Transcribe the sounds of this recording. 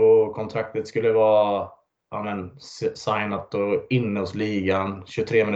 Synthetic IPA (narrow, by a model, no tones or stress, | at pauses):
ɔkʰɔnt̪ʰɾak̚t̪ət̪skɵlːəvɑː | ʔɑːmɛnsajnat̪̚ɔɪnːəʊsliːɡanɕɵt̪ʰɾeːmɪn